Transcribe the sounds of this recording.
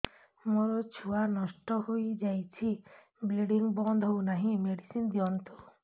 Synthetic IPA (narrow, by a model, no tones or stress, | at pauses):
moɾɔt͡ʃʰuanɔʃʈɔɦojd͡ʒajt͡ʃʰi | bilɖiŋbɔnd̪ʱownaɦĩmeɖisind̪ijɔnt̪u